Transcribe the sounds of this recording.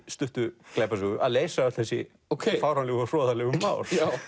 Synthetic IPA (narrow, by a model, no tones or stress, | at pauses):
st̪ʏht̪ʏklɛːpasʏɣʏʔaðleːjsaœht̪θɛsːɪ̰ | okʰːfaːwɾanlɛɣɔr̥ɔːðalɛɣʏmaːwɾ̥a